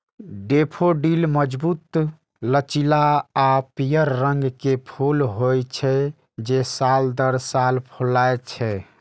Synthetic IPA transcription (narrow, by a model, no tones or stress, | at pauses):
ɖepʰoɖilməd͡ʒbut̪ | lət͡ʃilaapijəɾːəŋɡkepʰolɦojt͡ʃʰɛ | d͡ʒesald̪əɾsalpʰolaet͡ʃʰɛ